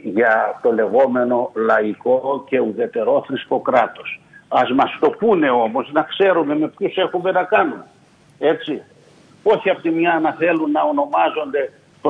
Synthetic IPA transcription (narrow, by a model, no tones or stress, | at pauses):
ʝɐt̪o̞le̞ɣo̞me̞no̞lɐiko̞ce̞uðe̞t̪e̞ɾo̞θɾisko̞kɾɐt̪o̞s | ɐzmɐst̪o̞pune̞o̞mo̞znɐkse̞ɾume̞me̞pçose̞xume̞nɐkɐnume | e̞t͡si | o̞çiɐpot̪imɲɐnɐθe̞lunːɐo̞no̞mɐzo̞nd̪e̞ | p